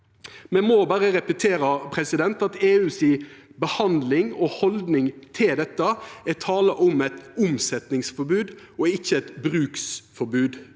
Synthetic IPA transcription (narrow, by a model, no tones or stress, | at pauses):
mɛmoːbæːɾəɾɛpət̪ʰeːɾəpʰɾɛsɪd̪ɛnt̪ɑt̪eːʉːsiːbəhɑnd̪lɪŋɔhɔld̪nɪŋt̪ʰɪld̪ɛt̪ːəæt̪ʰɑːləʔʊmɛt̪ʊmsɛt̪nɪŋsfɔɾbʉːd̪ | ɔɪçːəɛt̪bɾʉːksfɔɾbʉːd̪